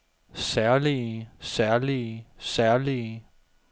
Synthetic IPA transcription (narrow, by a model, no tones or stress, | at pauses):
sæɐlisæɐlisæɐli